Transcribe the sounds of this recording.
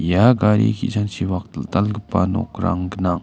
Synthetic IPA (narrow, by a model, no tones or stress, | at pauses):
jaɡaɾḭkiʔt͡ʃant͡ʃiwaq̚t̪əlt̪alɡəpːano̰qɾa̰ŋɡənaŋ